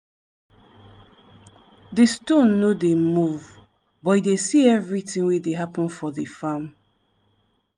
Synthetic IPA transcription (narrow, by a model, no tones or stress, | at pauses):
distõnːodemuv | bɔtidesiɛvɹitĩŋwedeɦapə̃nfɔðifam